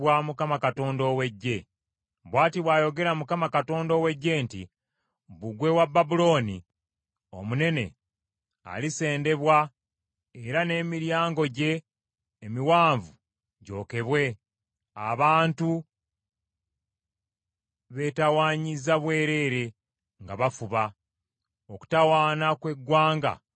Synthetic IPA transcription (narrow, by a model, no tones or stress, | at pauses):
wamukamakato̞ːndo̞we̞ɟːe̞ | βwaːtiβwaːjo̞ɡe̞ɾamukamakato̞ːndo̞we̞ɟːe̞ntḭ | βuɡwe̞wabːabulo̞ːni | o̞̰mune̞ne̞̰ | a̰lise̞ːnde̞βwa | eɾane̞ːmiɾjaːŋɡo̞ɟe̞ː | miwaːɱvu | ɟo̞ːke̞βwe̞ | a̰βaːntu | βe̞tawaːɲizaβwe̞ːɾe̞ɾe̞ | ŋɡaβafuβa | oku̥tawaːnakwe̞ɡwaːŋɡa̰